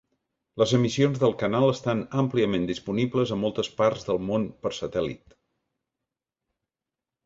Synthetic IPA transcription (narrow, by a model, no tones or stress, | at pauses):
ləzəmisionzðəlˠkənalˠəst̪anəmpliəmẽnd̪ispunibləzəmolˠt̪əspaɾzðəlˠmonpəɾsət̪ɛlḭt̪